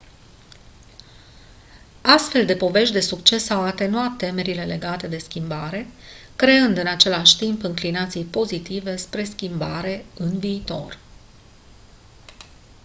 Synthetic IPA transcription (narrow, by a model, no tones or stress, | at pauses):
ast̪fe̞ld̪e̞po̞ve̞ʃt̪d̪e̞sukt͡ʃe̞sawat̪e̞nuat̪ːe̞me̞ɾile̞le̞ɡat̪e̞d̪e̞skʲimbaɾe̞ | kɾe̞ɨnd̪ɨnat͡ʃe̞laʃʲt̪impɨŋklinat̪sijpo̞zit̪ive̞spɾe̞skʲimbaɾe̞ɨnviːt̪o̞̰r